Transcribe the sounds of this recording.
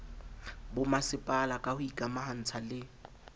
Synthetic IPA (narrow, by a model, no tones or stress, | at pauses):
bʊmasɪpʼalakʼahʊikʼamahan̩t͡sʰalɪ